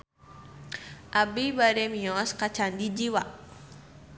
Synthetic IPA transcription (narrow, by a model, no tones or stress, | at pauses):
ʔabibaɾɛmiɔskat͡ʃandid͡ʒiwaʔ